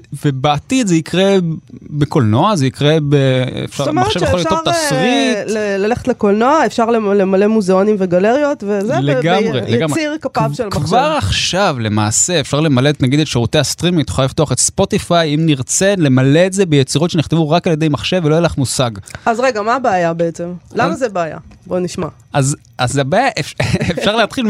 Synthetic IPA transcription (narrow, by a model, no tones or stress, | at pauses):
ve̞beat̪id̪zeikʁebeko̞lno̞azeikʁebeḛfʃamaχʃevjeolitasʁilelaleχe̥tlekolnoaefʃaʁlelemale̞muzeo̞nimveɡaleʁjo̞t̪vezeleɡamʁeleɡamiʁkapvʃelkvaʁaχʃavle̞ma̰ːse̞ːfʃaʁle̞malet̪naɡid̪et̪ʃeʁut̪e̞jast̪ʁimiit̪u̥χaliftoaχe̞t̪spo̞t̪ifajimniʁt͡se̞nle̞male̞ːtze̞bejet͡siʁo̞t̪ʃeniχt̪evuʁakaljed̪ejmaχʃe̞velojelaχmusaɡazʁeɡamaːbeajabeet͡se̞mlamazebeaja̰boniʃma | az | azabajaʔefefʃaʁleat̪χil